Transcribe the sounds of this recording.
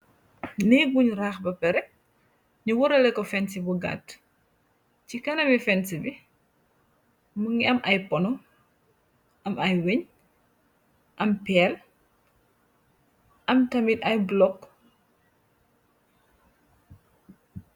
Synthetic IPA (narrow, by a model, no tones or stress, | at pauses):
nɛɡuɲraːxbɐpɛɾɛk̚ | ɲuwɔɾɐlɛkɔfɛnsibuɡa̰t | cikɐnɐmifɛnsibi | muŋɡiɐmʔɐjpɔnɔ | ʔɐmɐjweɲ | ʔɐmpɛːl | ʔɐmtɐmitɐjblɔkː